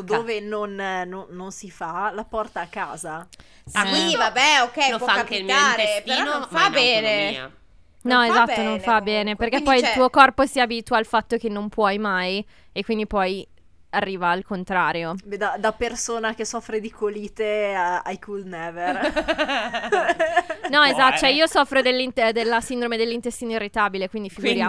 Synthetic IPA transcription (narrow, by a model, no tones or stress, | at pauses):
d̪oːvenonnonːonsifalapɔrt̪aːkːa̰ːza | akivabɛokːɛlofaaaŋkelmaɾeeinofabɛːne | nɔezat̪ːonõnfabɛːneperk̟epːɔjit̪uːokɔrposiaːbiːt̪uaalfat̪ːokenːompʰwɔjmaj | ekːwind̪ipɔj | arːiːvaːlkont̪ɾaːɾjod̪ad̪apersoːnakesɔfɾed̪ikʰoliːt̪eaajkʰulnɛːver | nɔezat̪ːt͡ʃɛiːosɔfːɾod̪elːint̪d̪elːasind̪ɾomed̪elːint̪est̪iːnoirːit̪aːbilekwind̪ifiɡuɾjaː